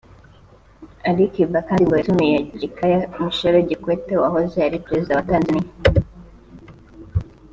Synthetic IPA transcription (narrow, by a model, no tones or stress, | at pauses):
aɾikivakaːndiɡoetumijeɟikajamiʃoɾoɟikwetewaɦozeaɾipɾezidawataːnzani